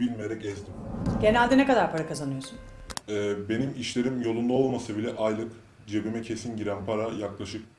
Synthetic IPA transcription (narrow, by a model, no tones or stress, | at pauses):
bilʲmejeɾɛcɛzd̪imɟe̞nælʲd̪ɛnekad̪aɾpʰaɾakazanɯjo̞sun | ɛːbe̞nimiʃlʲe̞ɾimjo̞lˠund̪aolˠmasɯbilʲɛʔajlˠɯk | d͡ʒebimɛcʰe̞sinɟiɾænpʰaɾajaklˠaʃɯk̚